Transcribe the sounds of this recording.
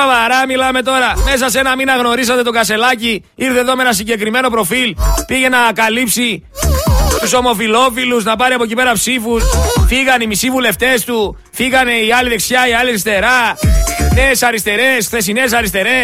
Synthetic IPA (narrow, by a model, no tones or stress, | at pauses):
ovɐɾɐmilɐme̞t̪o̞ɾɐme̞s̬ɐse̞nɐminɐɣno̞ɾis̬ɐt̪e̞t̪o̞ɡɐse̞lɐci | iɾθeðo̞menɐs̬iɲɟe̞kɾime̞no̞pɾo̞filpiʝe̞nɐkɐlipsi | t̪uso̞mo̞filo̞filuznɐpɐɾiɐpo̞cipe̞ɾɐpsifusfiɣɐnimisivule̞ft̪e̞st̪u | fiɣɐne̞iɐliðe̞ksçɐiɐliɐɾist̪e̞ɾɐ | ne̞ːsɐɾist̪e̞ɾe̞sxθe̞s̬ines̬ɐɾist̪e̞ɾe̞